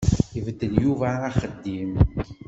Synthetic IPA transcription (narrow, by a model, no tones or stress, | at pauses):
ivəd̪ːəljuvæːχəd̪ːim